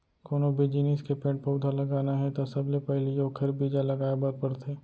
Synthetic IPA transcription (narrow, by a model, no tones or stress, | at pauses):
koːnobʱid͡ʒiːniskepẽːʈ̚pɐʊd̪ʱalɐɡaːnaɦɛt̪asɐblepɛɦlijoːkʰəɾbiːd͡ʒalɐɡaːebaːd̪̚pɐɽt̪eː